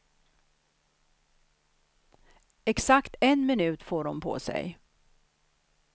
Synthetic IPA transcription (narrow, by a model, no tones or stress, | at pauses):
ɛksakt̪ɛnmɪnʉ̟ːt̪foːɖɔmpʰɔ̰ːsɛ̰j